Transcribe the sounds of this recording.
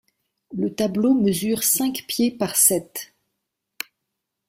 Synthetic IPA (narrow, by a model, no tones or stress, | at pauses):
lət̪abloməzyʁsɛ̃kpjepaʁsɛt̪